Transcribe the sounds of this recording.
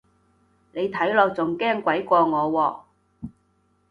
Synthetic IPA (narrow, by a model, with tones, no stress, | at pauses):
ne˨˧jt̪ʰɐ˨˥jlɔː˧k̚t͡sʊ˨˩ŋkɛː˥ŋkʷɐ˨˥jkʷɔː˧ŋɔː˨˧wɔː˨˧